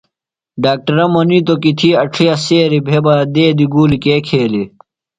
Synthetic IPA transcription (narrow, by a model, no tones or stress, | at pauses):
ɖaːk̚ʈɐɾɐmɐnit̪okit̪ʰiɐʈ͡ʂʰijɐseːɾibʱebɐd̪eːd̪iɡuːlikeːkʰeːli